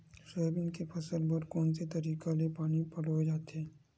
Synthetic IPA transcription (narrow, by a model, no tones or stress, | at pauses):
səɦbɪnkepʰɐsəlbɐɾkɔːnset̪ɐɾiːkalepaːnipɐlod͡ʒaːt̪ɛː